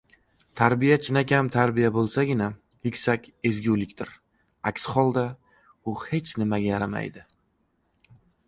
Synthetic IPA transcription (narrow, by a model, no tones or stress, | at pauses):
t̪ʰaɾbijat͡ʃʰɪnakʲamt̪ʰaɾbijabolˠsaɡʲɪna | jʊkʲsakʲe̞zɡʲulɪkʲt̪ɪɾ | akʲsχɒlˠd̪a | ʊhe̞t͡ʃʰnɪmaɡʲajaɾama̰jd̪ɪ